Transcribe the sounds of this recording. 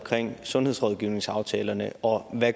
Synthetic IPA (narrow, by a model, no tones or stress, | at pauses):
kʰʁeŋ̰sɔ̽nheð̞̰ˠsʁɔɒð̞ˠɡ̥iʊne̝ŋsɑ̈ʊt͡sʰɛːlɐnəɒ̽ʋæ